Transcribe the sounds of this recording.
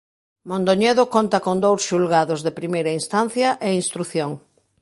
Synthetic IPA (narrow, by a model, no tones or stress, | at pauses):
mõnd̪oɲeðokont̪ɐkond̪owsʃulɣaðozðepɾimejɾɐinst̪an̟θjɐʔeinst̪ɾuθjoŋ